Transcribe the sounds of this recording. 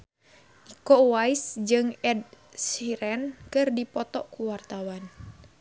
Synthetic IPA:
ʔikowaisd͡ʒɨŋɛd̚ | siɾɛnkɨrdipɔt̪ɔʔkuwart̪awan

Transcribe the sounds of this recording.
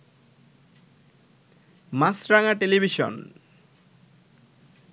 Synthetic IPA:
masɾaŋaʈelibʱiʃɔ̰n

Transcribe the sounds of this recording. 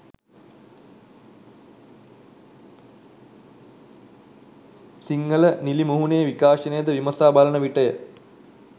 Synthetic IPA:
siŋɡələnilimuɦunejəʋikaːʃɐnəjəd̪əʋimɐsaːbalənəʋiʈəjə̰

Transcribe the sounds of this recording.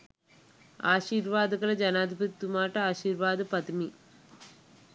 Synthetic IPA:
aːʃiːɾʋaːd̪ɐɡɐlɐd͡ʒɐnaːd̪ʱibʱut̪ːumaːʈɐaːʃiːɾʋaːd̪ɨpɐd̪umi

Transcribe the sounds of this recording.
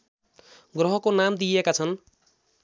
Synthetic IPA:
ɡrʌɦʌkonamd̪ijekat͡sʰʌn

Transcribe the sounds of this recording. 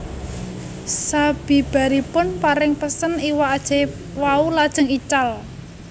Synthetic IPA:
sab̥i̤b̥a̤ɾipʊnpaɾɪŋpəsəniwaːd̥ʒ̥e̤ | waulad̥ʒ̥ə̤ŋit͡ʃal

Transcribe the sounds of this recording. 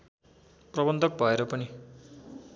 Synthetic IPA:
prʌbʌnd̪ʱʌk̚bʱʌeɾʌpʌni

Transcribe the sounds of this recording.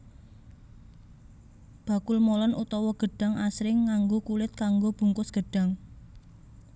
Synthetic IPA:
b̥ä̤kʊlmolɔnʔut̪ɔwɔɡ̥ə̤ɖ̥a̤ŋʔasɾɪŋːaŋɡokulɪt̪̚kaŋɡob̥ṳŋkʊsɡ̥ə̤ɖ̥a̤ŋ

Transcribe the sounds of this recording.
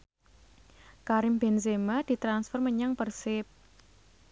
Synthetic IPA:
kaɾɪmbɛnsemad̪̥i̤t̪ɾansfɔrməɲaŋpərsɪp̚

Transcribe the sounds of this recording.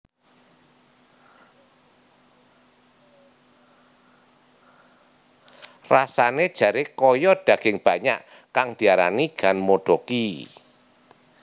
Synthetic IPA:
rasaned̥ʒ̥ä̤ɾekɔjɔd̥ä̤ɡ̥ɪŋb̥ä̤ɲaʔ | kaŋd̪̥i̤aɾa̰niɡ̥anmod̥ɔki

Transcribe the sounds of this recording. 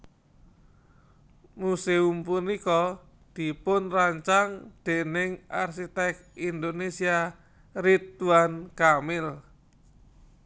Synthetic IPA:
museumpunikɔ | d̪̥i̤pʊnraɲt͡ʃaŋd̪̥e̤nɪŋa̰rsit̪ɛk̚ind̪onesia | rit̪uankamɪl

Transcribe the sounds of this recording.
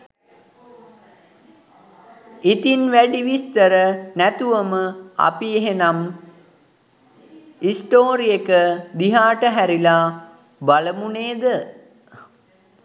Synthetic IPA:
it̪inʋæɖiʋist̪əɾənæt̪uʋəməa̰pieɦenam | isʈoːɾiekəd̪iɦaːʈəɦæɾila | baləmuneːd̪ə

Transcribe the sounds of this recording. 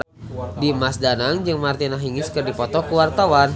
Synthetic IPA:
dimasdanaŋd͡ʒɨŋmart̪inaɦiŋɪskɨrdipɔt̪ɔkuwart̪awan

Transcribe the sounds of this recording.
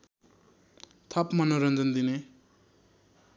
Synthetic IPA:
t̪ʰʌpmʌnoɾʌnd͡zʌnd̪ine

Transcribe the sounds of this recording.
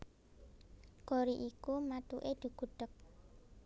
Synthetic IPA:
koɾiʔikumat̪uʔed̪̥ṳɡ̥ṳɖ̥ək̚

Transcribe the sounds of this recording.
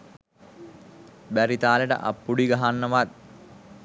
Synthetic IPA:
bæɾit̪aːleʈə̰ʔa̰pːuɽiɡaɦanːəʋat̪̚

